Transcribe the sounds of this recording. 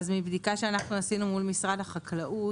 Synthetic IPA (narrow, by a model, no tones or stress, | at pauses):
zmibd̪ikaʃeanaχnuasinumulmisʁadaχaklaʔu